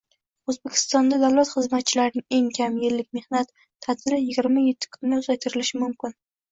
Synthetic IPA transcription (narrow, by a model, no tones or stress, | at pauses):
ɵzbekʲʰɪ̥st̪ɒnd̪ad̪awlat̪χɨzmat̪̚t͡ʃʰɪlaɾnɪŋe̞ŋkʲʰamjɪlːɪk̚ʲme̞hnat̪ʰː | ad̪ɪɾɪjɪɡʲɪɾmajet̪ʰːɪ̥kʰʊnːɪʊzajt̪ʰɪɾɪlɪʃɪmʊmkʲɪn